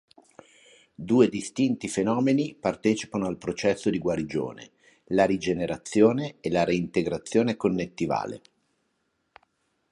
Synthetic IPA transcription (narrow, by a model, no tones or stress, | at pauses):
d̪uːed̪ist̪int̪ifenɔːmenipart̪ɛːt͡ʃi̥panoalpɾot͡ʃɛsːod̪iɡwaɾid͡ʒo̰ːnḛ | laɾid͡ʒeneɾat̪sːjoːneːlaɾeint̪eɡɾat̪sːjoːnekonːet̪ːiva̰ːlḛ